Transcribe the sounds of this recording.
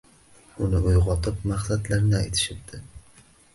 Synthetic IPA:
ʊnɪʊjʁɒt̪ʰɪpmaχsat̪laɾnɪajt̪ʰɪ̥ʃɪb̚d̪̥ɪ

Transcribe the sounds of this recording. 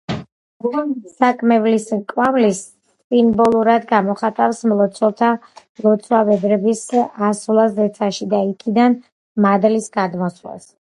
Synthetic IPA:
ɛmsakʼmɛvliskʼwamlis | sʼimbɔlˠuɾad̪ɡamɔχat̪ʼafsmlˠɔt̪sʰwɔlˠt̪ʰa | lˠɔt̪sʰwavɛd̪ɾɛbisasulˠasd̪ɛt̪sʰaʃid̪aikʰid̪an | mad̪lisɡad̪mɔsla̰s

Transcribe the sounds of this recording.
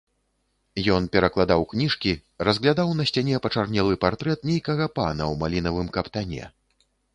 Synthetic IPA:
jɔn̪pʲɛɾɐklˠad̪awknʲiʂkʲiɾɐzɣlʲad̪awn̪ɐsʲt͡sʲanʲɛpɐt͡ʂarnʲɛlˠɨpart̪ɾɛt̪̚nʲejkɐɣɐpa̰nɐwmalʲinɐvɨmkɐpt̪anʲɛ̰

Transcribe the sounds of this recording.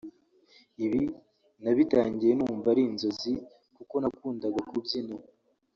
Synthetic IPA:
iβi | naβitaːɲɟije̞nuːɱvaɾinzo̞zi | kuko̞nakuːndaɡakubjino

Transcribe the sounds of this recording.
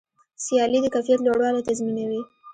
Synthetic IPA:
sijɑlid̪əkajfijat̪loɽwɑlet̪azminawi

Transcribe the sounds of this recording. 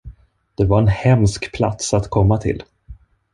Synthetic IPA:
d̪̥ɛvaɾɛnhɛmskpʰla̰t̪sat̪kʰɔmːat̪ʰɪ̰l

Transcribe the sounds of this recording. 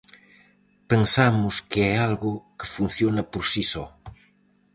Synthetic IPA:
pensamʊskeɛalɣʊkɪfun̟θjonɐpoɾsisɔ

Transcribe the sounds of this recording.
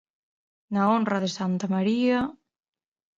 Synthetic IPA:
naonraðesant̪amaɾia

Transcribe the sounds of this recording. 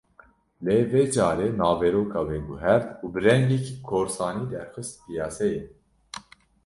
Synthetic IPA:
leːvɛːd͡ʒɑːɾɛnɑːvɛɾoːkʰɑbɛɡuɦɛɾt̪ubɨɾɛŋɡikʰkʰoːɾsɑːniːd̪ɛɾxəst̪̚pijɑːsɛjin

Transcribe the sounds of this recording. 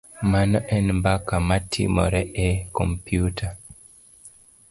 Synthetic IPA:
manɔʔɛnmbakamatʰḭmɔ̰ɾɛɛkɔmpjutʰa

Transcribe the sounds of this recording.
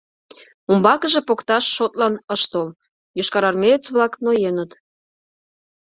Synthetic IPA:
umbɑkə̆ʒĕpokt̪ɑʃːot̪lɑnəʃt̪ol | joʃkɑɾɑrmʲet͡sβlɑknojenət̪

